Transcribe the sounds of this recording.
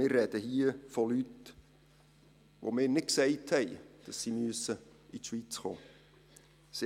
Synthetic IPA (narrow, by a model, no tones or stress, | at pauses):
ɪrːɛd̥əhiəfɔlyt | ʋo̰mɪːɾnɪt̚ksɛɪthɛɪd̥ɑsːimyəsəitʃʋit͡sχo̰ː | s